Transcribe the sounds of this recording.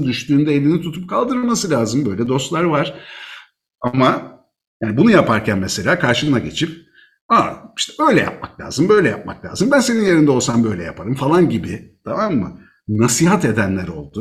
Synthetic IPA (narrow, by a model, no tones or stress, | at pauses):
d̪yʃt̪yːnd̪ɛelʲinit̪ʰut̪ʰup̚kʰalˠd̪ɯɾmasɯlʲaːzɯmbø̞jlʲɛd̪o̞st̪lˠaɾvaɾ̥ | ama | jaːnibunujapʰaɾcʰænmese̞lʲaːkʰaɾʃɯmɯnaɟe̞t͡ʃʰip̚ | ai̥ʃt̪ʰɛø̞jlʲɛ̰ja̰p̚maklʲa̰ːzɯmbø̞jlʲɛja̰p̚ma̰klʲa̰ːzɯmbænse̞ninje̞ɾind̪ɛo̞lˠsambø̞jlʲɛja̰pʰaɾɯmfalˠanɟibɪt̪ʰamamːɯ̰ | nasiːɦat̪e̞d̪ænlʲæɾo̞̰lˠd̪ʊ